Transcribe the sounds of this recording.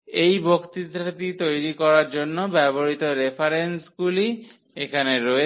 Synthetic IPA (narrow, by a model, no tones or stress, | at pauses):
ejbokt̪id̪ɾat̪it̪ojɾikɔɾaɾd͡ʑonːobɛboɾit̪oɾepʰaɾensɡuli | ekʰaneɾoe